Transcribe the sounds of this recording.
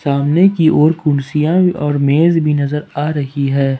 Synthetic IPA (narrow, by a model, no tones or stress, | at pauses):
saːmnekiʔɔːɾkʊnsijãɔːɾmeːzbʱinɐzəɾaːɾɐɦiɦɛː